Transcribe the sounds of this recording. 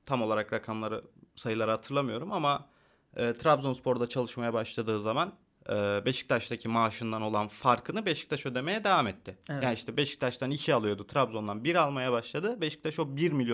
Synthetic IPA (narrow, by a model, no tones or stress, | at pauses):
t̪ʰamo̞lˠaɾakɾakʰamlˠaɾɯsajɯlˠaɾɯɦat̪ʰɯɾlˠamɯjo̞ɾumama | ɛːt̪ʰɾabzonspʰo̞ɾd̪at͡ʃʰalˠɯʃmajabaʃlˠad̪ɯːzaman | ɛːbe̞ʃi̥c̚t̪ʰaʃt̪ʰacʰimaːʃɯnd̪ano̞lˠanfaɾkʰɯnɯbeʃi̥c̚t̪ʰaʃø̞d̪e̞me̞jɛd̪evamɛt̪ʰːɪjaːniʃt̪ʰɛbeʃi̥ct̪ʰaʃt̪ʰaniʃialˠɯjo̞d̪ut̪ʰɾabzo̞nd̪anbiɾalˠmajabaʃlˠad̪ɯbeʃi̥c̚t̪ʰaʃobiɾmilʲjo